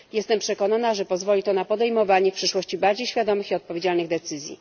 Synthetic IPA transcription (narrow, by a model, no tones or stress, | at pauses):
jɛst̪ɛmpʂɛkɔnanaʐɛpɔzvɔlʲit̪ɔnapɔd̪ɛjmɔvaɲɛfpʂɘʂwɔɕt͡ɕibaɾd͡ʑejɕfʲjad̪ɔmɘxiɔt̪̚pɔvʲjed͡ʑalnɘɣd̪ɛt̪sɘzʲjḭ